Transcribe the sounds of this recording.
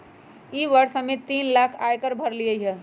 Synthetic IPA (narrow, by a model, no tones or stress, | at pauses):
iʋəɾsmet̪inlakʰajkəɾbʱəɾlijəɦə